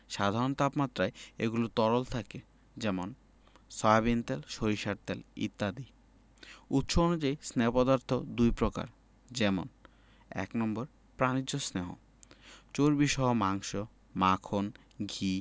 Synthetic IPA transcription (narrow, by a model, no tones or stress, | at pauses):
ʃad̪ʱaɾont̪apmat̪ːɾaeḛɡulot̪ɔɾolt̪ʰake | d͡ʑɛmon | sɔbabint̪elʃoɾiʃaɾt̪ɛlḭt̪ːad̪i | ut̪ːʃoonud͡ʑajsneopɔd̪aɾt̪ʰod̪ujpɾoka̰ɾ | d͡ʑɛmo̰n | ɛ̰knɔmboɾ | pɾanid͡ʑosneɦo̰ | t͡ɕoɾbiʃɔɦomaŋʃo | makʰon | ɡʱi